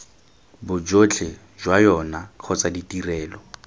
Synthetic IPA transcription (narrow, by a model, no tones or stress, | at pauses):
bʊd͡ʒot͡ɬʰe | ʒwajɔnaq͡χʰɔt͡saditʼirɛːlɔ